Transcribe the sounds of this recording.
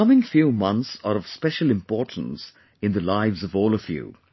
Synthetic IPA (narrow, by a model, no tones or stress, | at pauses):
ʌmɪ̃ŋfjʉːmʌ̃nθsəɹʌv̥spɛʃəl̩ɨ̃mpɔɹtn̩s | ɨ̃nðɨlaɪvzʌvɔːlˠəfjʉ̰